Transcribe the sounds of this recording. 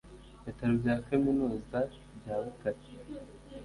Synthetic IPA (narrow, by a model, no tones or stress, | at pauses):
itaɾubɟaːkaminuːza | bjaːβukaɾi̥